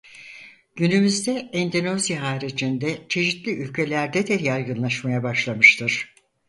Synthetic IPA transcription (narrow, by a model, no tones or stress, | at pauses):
ɟ̥ynymyzd̪ɛɛnd̪ino̞zjaɦaːɾid͡ʒind̪ɛt͡ʃʰe̞ʃit̪lʲiʔylʲcʰe̞lʲæɾd̪ɛd̪ɛɾjajɡɯnlˠaʃmajabaʃlˠamɯʃt̪ʰɯɾ̥